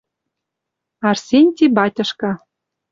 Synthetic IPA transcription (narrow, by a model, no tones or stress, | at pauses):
ɑrsʲenʲt̪ʲibɑtʲɤ̆ʃkɑ